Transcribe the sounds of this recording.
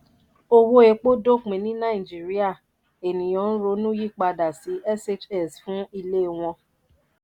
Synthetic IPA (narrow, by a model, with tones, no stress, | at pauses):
o˧wo˧e˧k͡po˦do˦˨k͡pĩ˨nĩ˦nã˦ĩ˨d͡ʒi˨˦ɾi˦a˦˨ | e˨nĩ˨j̃ɔ̃˨˦n̩˦ɾo˨˧˦nũ˦ji˦˨k͡pa˧da˨si˨˦ʔɛ˦se˦t͡ʃɛ˨sfũ˨˦i˧le˦˨w̃ɔ̃˧